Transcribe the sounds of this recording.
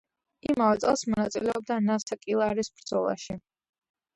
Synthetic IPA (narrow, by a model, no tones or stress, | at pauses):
imavɛt̪sʼɛlˠsmɔnat̪sʼilɛɔb̚d̪anasakʼilˠaɾisb̥ɾd̪zɔlˠa̰ʃi